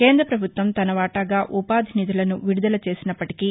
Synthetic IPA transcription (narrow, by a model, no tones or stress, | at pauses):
ke̞ːnd̪ɾɐpɾɐbʱut̪ʋɐmt̪ɐnɐʋaːʈɐɡaːʔupaːd̪ʱinid̪ulɐnuʋiɽud̪ɐlɐt͡ʃe̞ːsinɐpːɐʈi̥ki